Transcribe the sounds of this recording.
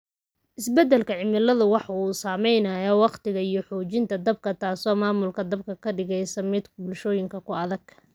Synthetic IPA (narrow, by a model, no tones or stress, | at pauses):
ʔɪsbɛd̪ɛlkʰɐʕɪmɪlɐðʊwɑħɑuːsaːmɛjnɐjɔwɑqt̪ɪɣɐijɞħɔːt͡ʃɪnt̪ʰɐd̪ɐb̚kʰɐt̪ʰaːsɔːmaːmʊlkʰɐd̪ɐb̚kʰɐkʰɐɖɪɣɛjsɐmɪd̪kʰbʊlʃɔːjɪŋkʰɐkʰʊɐðɐɡ